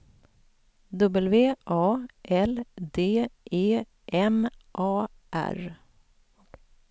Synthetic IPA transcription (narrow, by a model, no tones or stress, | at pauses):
d̪ɵbəlveːʔɑːʔɛld̪eːʔeː | ʔɛmʔɑː | ʔæ̰ɾ